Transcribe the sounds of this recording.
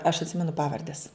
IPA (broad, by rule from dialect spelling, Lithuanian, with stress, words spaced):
ɐʃ ɐtʲˈsʲɪmʲɛnʊ ˈpɑːʋɐrʲdʲɛs